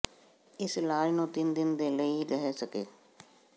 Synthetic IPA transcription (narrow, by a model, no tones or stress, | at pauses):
ɪslaːlnũːt̪ɪnd̪ɪnd̪eːləiːɾəɦesəkeː